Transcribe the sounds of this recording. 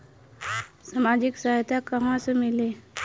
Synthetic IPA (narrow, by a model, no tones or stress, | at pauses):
samaːd͡ʒɪksaɦjt̪ʰakəɦãsemɪleː